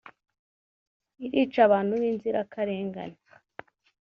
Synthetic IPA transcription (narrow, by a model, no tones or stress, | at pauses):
iɾiːt͡ʃaβaːn̥huβiːnziɾakaɾeːŋɡa̰ne